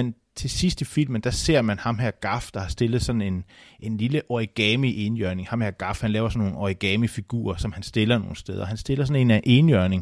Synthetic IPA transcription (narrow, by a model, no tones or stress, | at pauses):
en | t͡sʰe̝sisd̥ifil̰mənd̥æse̝ɐ̰mænhɑ̈mɦæɐ̰ɡ̥ɑ̈fd̥ɑ̈hɑ̈sd̥e̝lð̞̩ˠsɒ̽nn̩e̝nʔe̝nliləʔɒiɡ̥ɛmiʔe̝njœɐne̝ŋhɑ̈mhæɐɡ̥ɑ̈fhænlɛːʊɐsɒ̽nːo̝ːn̩ɒiɡ̥ɛːmifiɡ̥ṵːɐsɒ̽mhænsd̥e̝lɐno̝ːn̩sd̥eð̞ˠɐɦænsd̥e̝lɐsɒ̽ne̝næʔe̝ːnjœɐne̝ŋ